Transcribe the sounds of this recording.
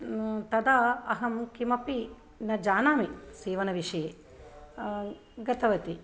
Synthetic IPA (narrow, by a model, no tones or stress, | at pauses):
t̪ɐd̪aːɐɦɐmkimɐpi | nɐd͡ʒaːnaːmiseːʋɐnɐʋiʂeː | ɡɐt̪ɐʋɐt̪i